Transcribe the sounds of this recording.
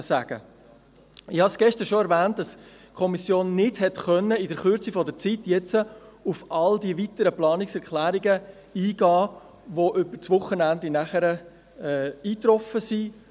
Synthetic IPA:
sæ̰ɡ̥ə̰ | ɪhɑsɡ̥ɛʃtəɾʃoɛɾvæːnt̚d̥ɑs | kʰɔmisjoːnːɪdhɛtχœnːəɪdəɾχʏɾt͡sifɔdət͡sitjɛt͡səufɑldiʋitəɾəplɑːnɪksɛɾkʰlæːɾiɡə | iːɡ̥ɑː | ʋoʔʏbət͡sʋʊχːənændɪnæχəɾə | ɛːiːt̪ɾɔfəsi

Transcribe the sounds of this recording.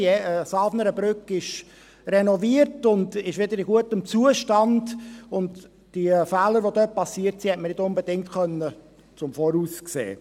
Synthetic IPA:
ɛəsɑlfnəɾəbɾʏkɪʃ | rɛnɔviəɾtʊndɪʃʋɪdəɾɪɡuətəmt͡suəʃtɑndʊnd | d̥ifæːləɾʋodøːt̚pɑsiːəɾtsiːhɛtmənɪdʊnbədɪŋtχœnːə | t͡sʊmfɔːɾuːsksḛː

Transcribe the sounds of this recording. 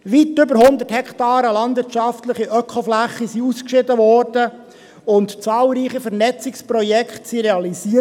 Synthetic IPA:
ʋitːʏbəɾhʊnd̪əthɛkʰtɑːɾəlɑnd̪ʋɪtt͡ʃɑftləχiʔœkʰɔflæχːisiuskʃɪdəʋɔːɾd̥ə | ʊntt͡sɑːlɾiːχifɛɾnɛt͡sɪkspɾɔjɛkʰχtsiɾeɑlisiə

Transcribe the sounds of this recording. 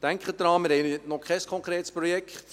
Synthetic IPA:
d̥æŋkχəd̥̪əɾɑːmɪːɾɛɪəntnɔkʰɛɪskʰɔŋkʰɾeːt̪spɾɔjɛkt

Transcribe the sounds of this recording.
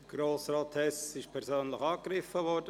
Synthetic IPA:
ɡ̥ɾoːsraːtʰɛsɪʃpʰɛɾzøːnləxɑːkɾɪfəvɔɾdə

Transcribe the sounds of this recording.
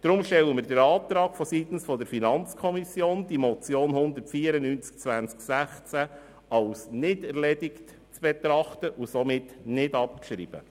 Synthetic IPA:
d̥ɾʊmʃtɛləməɾdəɾɑːt̪ɾɑːɡfɔsit̪n̩sfɔdəɾfinɑnt͡skʰɔmisjoːnd̥imɔt͡sjoːnhʊnd̪əɾtfiːəɾənyːnt͡sk̚t͡sʋænt͡sksæχt͡sæ | ɑlsnɪdɛɾlɛdɪkt | t͡sb̥ɛt̪ɾɑχtəʔusomɪtnɪdɑp̚ʃɾḭːb̥ə̰

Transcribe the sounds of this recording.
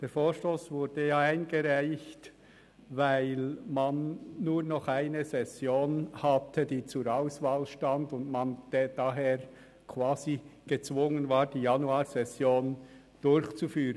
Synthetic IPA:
d̥eːɾfoːʃtoːsvʊɾd̥əjaːaɪnɡəɾaɪçt | vaɪlmanːuːɾnɔχaɪnəzɛsjoːnhatʰədiːt͡suɾaʊsvaːlʃtandʊndmand̥ed̥aɦeːɾ | kʰv̥aːziɡ̥ət͡svʊŋənvaːɾd̥iːjanuaːɾzɛsjoːn | d̥ʊɾçt͡sufyːɾən

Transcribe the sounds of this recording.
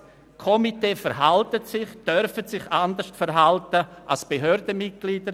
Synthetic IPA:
kʰɔmiteːfɛɾɦaltətsɪχd̥œɾfətsɪçandəʃtfɛɾɦaltəʔalsb̥eɦøːɾdəmɪt̚ɡ̥liːdəɾ

